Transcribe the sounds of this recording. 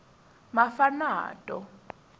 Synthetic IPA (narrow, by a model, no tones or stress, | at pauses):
mafana̰ːtʼɔ